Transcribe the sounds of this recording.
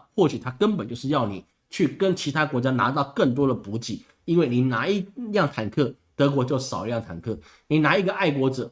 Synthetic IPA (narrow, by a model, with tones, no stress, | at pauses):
xwɔ˥˩t͡ɕʰy˨˩t̪ʰa˥kə˥npə˨˩nt͡ɕjo˥˧ʊʂɻ̩˥˧jɑ˥˩ʊnḭ˨˩˦ | t͡ɕʰy˥˩kə˥nt͡ɕʰi˧˥t̪ʰa˥kwɔ˧˥t͡ɕja˥na̰˧˥t̪̬ɑ˥˧ʊkə˥˩nt̪̬wɔ˥d̪ə˨pu˧˥t͡ɕi˨˩˦ | i˥nwe˥˩ɪni˨˩na˧˥i˥jɑ˥˩ŋt̪ʰa˨˩nkʰɤ˥˩ | t̪ɤ˧˥k̬wɔ˧˥t͡ɕjo˥˩ʊʂɑ˨˩ʊ˧˦jɑ˥˩ŋt̪ʰa̰˨˩nkʰɤ˥˩ | ni˨˩na˧˥i˧˥ɡə˧ʔa˥˩ɪkwɔ˧˥ʈ͡ʂɤ˨˩˦